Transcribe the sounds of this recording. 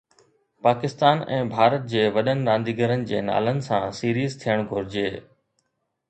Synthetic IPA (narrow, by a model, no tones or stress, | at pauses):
paːkɪst̪aːnɛ̰̃ːbʱaːɾət̪̚d͡ʑeːʋɐɗənɪ̆ɾãːnd̪iɡəɾənɪ̆d͡ʑeːna̰ːlənɪ̆sãsiːɾiːzt̪ʰijəɽ̃ɡʱʊɾɪd͡ʑeː